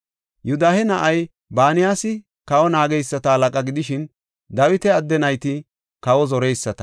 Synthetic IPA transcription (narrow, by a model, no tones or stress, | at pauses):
jʊd̪aːhɛnɐʔɐj | baːnɪjaːsɪ | kɐwɔnaːɡɛjsːɐt̪ɐɐlɐkʼɐɡɪd̪ɪʃɪn | d̪ɐwɪt̪ɛɐd̪ːɛnɐjt̪ɪ | kɐwɔzɔɾɛjsːɐt̪ɐ̥